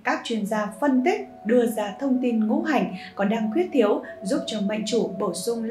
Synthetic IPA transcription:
kaː˦˥k̚t͡ɕwi˧ənzaː˧fə˧nt̪i˦˥k̟̚ | ɗɨ˧əzaː˧t̪ʰə˧wŋ͡mt̪i˧nŋṵ˧˥ɦa˨˩jŋ̟kɔ˨˩nɗaː˧ŋkwi˦˥ət̚t̪ʰi˨˦əwzu˦˥p̚t͡ɕɔ˧˩ma̰˧˨jŋ̟t͡ɕu˧˩ɓo˧˩sʊ˧ŋ͡ml

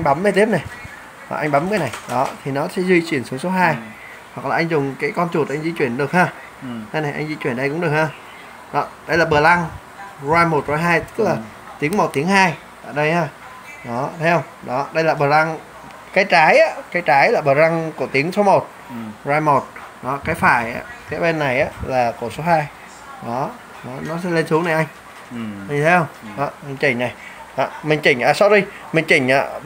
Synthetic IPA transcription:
ŋ̟ɓa˨˦mvə˧t̪i˦˥əp̚na˨˩j | ha̰˨˩ʔa˧ŋ̟ɓa˨˦mkaː˨˦jna˨˩jɗɔ˨˦t̪ʰi˨˩nɔ˨˦sɛ̰˧˥zwi˧t͡ɕwi˧˩ənsɨ˨˦əŋso˨˦ɦaː˧j | hwa˨˩k̚laː˨˩ʔa˧ŋ̟zʊ˨˩ŋ͡mkaː˨˦jkɔ˧nt͡ɕu˨˩t̚ʔa˧jŋ̟zi˧t͡ɕwi˧˩ənɗɨ˨˩ək̚haː˧ | a˧jna˨˩jʔa˧ŋ̟zi˧t͡ɕwi˧˩ənɗə˧jkʊ˧˥ŋ͡mɗək̚haː˧˩ | ɗɔ˨˦ɗə˧jlaː˨˩ɓɨ˨˩əla˧ŋ | zwaː˧jmo˨˩t̚zo˨˩jɦaː˧jt̪ɨ˦˥k̚laː˨˩ | t̪i˨˦əŋmo˨˩t̚t̪i˨˦ŋɦaː˧j | t̪aː˧˨jɗə˧jhaː˧˩ | ɗɔ˨˦t̪ʰa˨˦hə˧wŋ͡mɗɔ˨˦ɗə˧jlaː˨˩ɓəː˨˩za˧ŋ | kaː˨˦jt͡ɕaː˨˦jʔaː˧˦kaː˨˦jt͡ɕaː˨˦jlaː˨˩ɓəː˨˩za˧ŋku˧˩ət̪i˨˦əŋso˨˦mo˨˩t̚ | zaː˧jmo˨˩t̚ | ɗɔ˨˦kaː˨˦jfa̰ː˧˩jʔa̰ː˨˦kaː˨˦jɓe˧nːa˨˩jʔaː˨˦laː˨˩ku˧˩so˨˦ɦaː˧j | ɗɔ˨˦ | ɗɔ˨˦nɔ˨˦sɛ̰˧˥le˧nsu˨˦ŋna˨˩jʔa˧jŋ̟˧ | ɲɨ˨˩t̪ʰe˨˦hə˧wŋ͡mɗɔ˨˦mï˨˩ŋ̟t͡ɕï˧˩ŋ̟na˨˩j | ʔaː˧˨˩mï˨˩ŋ̟t͡ɕï˧˩ŋ̟ʔaː˧˩sɔ˨˧˦ɗi˧ | mï˨˩ŋ̟t͡ɕï˧˩ŋ̟ʔa̰ː˧˨

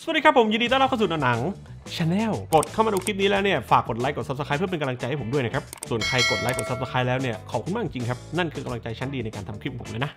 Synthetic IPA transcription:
s̚diː˧kʰpʰːo˩˦mji˧diː˧t̪a˥˩ɾa˥p̚kːa˥˩snː˧˨˧na˩˦ŋ | t͡ɕʰa˧nɛː˥˩wko˨˩t̪̚kʰa˥˩wma˧duː˧kʰi˦˥t̚niː˦˥lɛː˦˥wni˥˩ɐfaː˨˩kːo˨˩t̪̚la˦˥jko˨˩t̪̚sa˦˥sa˧kaː˦˥pʰɯ˥˩pe˧ka˧mla˧ŋt͡ɕa˧jha˥˩pʰdu˥˩əna˦˥kʰa˦˥p̚su˨˩ənkʰɾa˧jko˨˩t̪̚laː˦˥jko˨˩t̪̚sa˦˥psa˧kʰaː˦˥lɛː˦˥wni˥˩ɐkʰɔː˨˩kʰu˧nmaː˥˩ŋ˩t͡ɕi˧ŋkʰa˦˥p̚na˥˩nkʰɯː˧ka˧mla˧ŋt͡ɕa˧jt͡ɕʰa˦˥ndiː˧na˧jkaː˧nt̪ʰa˧mkʰɾi˦˥p̚pʰo˩˦lɔː˦˥jna˦˥

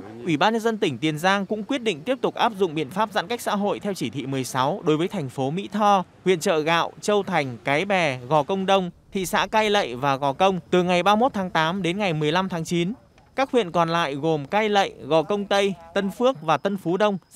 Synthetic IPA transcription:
ʔwi˧˩ɓaː˧nɲə˧nzə˧nt̪ï˧˩ŋ̟t̪i˨˩ənzaː˧ŋkʊ̰˧˥ŋ͡mkwi˦˥ət̚ɗḭ˧˨ŋ̟t̪i˦˥əp̚t̪ʊ˨˩k͡p̚ʔaː˦˥p̚zʊ̰˧˨ŋ͡mɓḭ˧˨ənfaː˦˥p̚za̰˧˥nka˦˥jk̚sa̰ː˧˥ɦo̰˧˨jt̪ʰɛ˧wt͡ɕi˧˩t̪ʰḭ˧˨mɨ˨˩əjsa˨˦wɗo˨˦jvəː˨˦jt̪ʰa˨˩jŋ̟fo˨˦mḭ˧˥t̪ʰɔ˧hwḭ˧˨ənt͡ɕə̰ː˧˨ɣa̰ː˧˨wt͡ɕə˧wt̪ʰa˨˩jŋ̟kaː˨˦jɓɛ˨˩ɣɔ˨˩kə˧wŋ͡mɗə˧wŋ͡mt̪ʰḭ˧˨sa̰ː˧˥kaː˧jlə̰˧˨jvaː˨˩ɣɔ˨˩kə˧wŋ͡mt̪ɨ˨˩ŋa˨˩jɓaː˧mo˦˥t̚t̪ʰaː˨˦ŋt̪aː˨˦mɗe˨˦nŋa˨˩jmɨ˨˩əjla˧mt̪ʰaː˨˦ŋt͡ɕi˨˦n | kaː˦˥k̚hwḭ˧˨ənkɔ˨˩nla̰ː˧˨jɣo˨˩mkaː˧jlə̰˧˨jɣɔ˨˩kə˧wŋ͡mt̪ə˧jt̪ə˧nfɨ˦˥ək̚vaː˨˩t̪ə˧nfu˨˦ɗə˧wŋ͡m

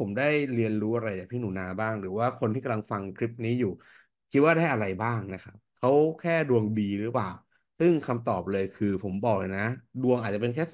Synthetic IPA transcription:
pʰo˩˦mdaː˥˩jɾi˧ənɾuː˦˥ʔa˧ɾa˧jt͡ɕaː˨˩kp̪ʰiː˥˩nuː˩˦naː˧baː˥˩ŋɾɯː˩˦waː˥˩kʰo˧nt̪ʰiː˥˩ka˧mla˧ŋfa˧ŋkʰɾi˦˥p̚niː˦˥juː˨˩ | kʰi˦˥t̪̚waː˥˩daː˥˩jʔa˧ɾa˧jbaː˥˩ŋna˦˥kʰa˦˥p̚kʰa˦˥wkʰɛː˥˩du˧əŋbiː˧ɾɯ˦˥plaː˨˩w | sɯ˥˩ŋkʰa˧mt̪ɔː˨˩p̚lɤː˧jkʰɯː˧pʰo˩˦mbɔː˨˩k̚lɤː˧jna˦˥du˧əŋʔa˨˩t͡ɕa˨pe˧nkʰɛː˥˩

